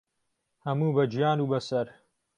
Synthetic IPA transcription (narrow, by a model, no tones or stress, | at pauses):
hɐmuːbɐd͡ʒijaːnuːbɐsɐɾ